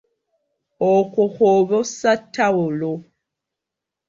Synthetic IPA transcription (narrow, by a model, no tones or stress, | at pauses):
oxuxoβosatʰːawulo